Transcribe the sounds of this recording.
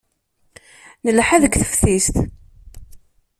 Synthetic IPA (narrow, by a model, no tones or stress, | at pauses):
nəlħaðəɡʷθə̥fθist̪